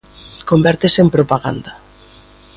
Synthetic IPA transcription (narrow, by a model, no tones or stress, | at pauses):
kombɛɾt̪esempɾopaɣa̰nd̪a